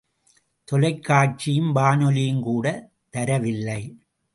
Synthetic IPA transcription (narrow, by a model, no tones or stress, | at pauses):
t̪ɔlɐɪkːaːʈ̚t͡ʃɪjɯmbaːnɔlɪjɯmkuːɽɐ | t̪ɐɾɐʋɪlːɐɪ